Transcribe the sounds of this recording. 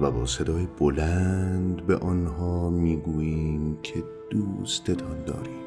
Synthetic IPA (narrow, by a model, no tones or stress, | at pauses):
væbɒːse̞d̪ɒːjebolænd̪beʔɒnɦɒːmiːɡuːjiːmcʰe̞ | d̪̥uːst̪e̞t̪ʰɒnd̪ɒ̰ːɾiːm